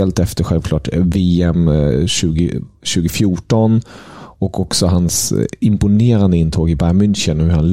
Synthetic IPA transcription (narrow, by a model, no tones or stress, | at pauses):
ɛlt̪ɛft̪əɾɧɛlvklɑ̰ːʈveːɛmɕʉ̟ːɡə̰ɕʉ̟ːɡʊfjuːʈɔnɔkʰɔksɔɦansɪmpʊneːɾand̪əɪnt̪ʰoːɡɪbæɾmʏnɕənhɵɾhanl